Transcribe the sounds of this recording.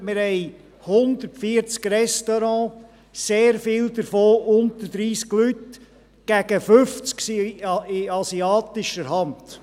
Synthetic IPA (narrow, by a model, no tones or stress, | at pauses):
mɪɾhɛɪ | hʊnd̪əɾtfiəɾt͡skɾɛst̪ɔɾɑ̃ː | seːɾfɪːld̪əɾfoːʔʊnt̪əɾdɾiːsklyt | ɡ̥æɡ̥əføft͡sksiɪɑsiɑːt̪ɪʃəɾɦɑnd̥